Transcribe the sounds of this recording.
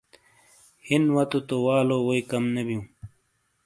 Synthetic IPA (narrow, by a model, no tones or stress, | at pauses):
hinwɐt̪ut̪owaːlowoikɐmnebjũː